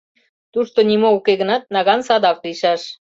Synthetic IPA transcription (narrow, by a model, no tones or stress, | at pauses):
t̪uʃt̪onimoukeɣənɑt̪̚nɑɣɑnsɑd̪ɑkliʃɑʃ